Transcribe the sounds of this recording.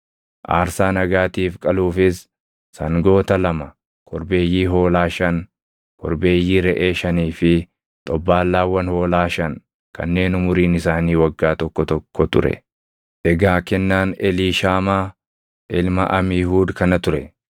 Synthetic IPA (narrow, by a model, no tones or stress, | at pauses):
ʔa̰ːɾsaːnɐɡaːt̪iːfkʼɐluːfɪs | sɐŋɡo̞ːt̪ɐlɐmɐ | kʰɔɾbe̞ːjːiːɦo̞ːlaːʃɐn | kʰɔ̰ɾbe̞ːjːiːɾɛʔe̞ːʃɐniːfɪ | t̪ʼɔbːaːlːaːwːɐnho̞ːlaːʃɐŋ | kɐ̰nːe̞ːnʊmʊɾiːnɪsaːniːwɐɡːaːt̪ɔkːɔt̪ɔkːɔt̪ʊɾɛ̰ | ʔɛɡaːkɛnːaːnɛliːʃaːmaː | ʔɪlmɐʔɐmɪːɦuːd̪kɐnɐt̪ʊɾɛ